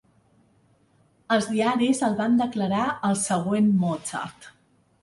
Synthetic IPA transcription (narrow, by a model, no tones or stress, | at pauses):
əlˠzðiaɾizəlˠβand̪əkləɾaəlˠsəɣ̞wenmɔt͡sə̰ɾt̪